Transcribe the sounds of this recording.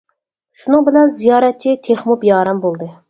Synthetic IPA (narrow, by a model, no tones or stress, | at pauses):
ʃunɨŋbɪlɛnzijɑːɾɛt̪̚t͡ʃʰːit̪ʰeχmupjɑːɾɑmbolˠd̪ɨ